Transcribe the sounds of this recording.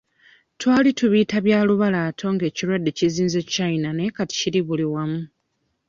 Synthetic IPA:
twaːlituβiːtaβjaːluβalaːtʰo̞ŋɡe̞ːciɾwadːe̞ciziːnzet͡ʃainane̞ːkati̥ciliβuliwamu

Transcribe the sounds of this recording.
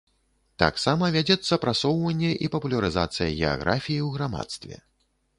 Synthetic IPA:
t̪a̰ksamɐvʲad͡zʲɛt̪sːɐpɾasɔwvɐnʲːɛʔipɐpulʲɐɾɨzat̪sɨjɐɣʲɛa̰ɣɾʔafʲijiwɣɾama̰t̪st̪vʲɛ̰

